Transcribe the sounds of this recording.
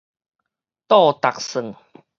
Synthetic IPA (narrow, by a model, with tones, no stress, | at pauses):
t̪ɔ˥˧t̪a˨˩k̚sɨ˨˩ŋ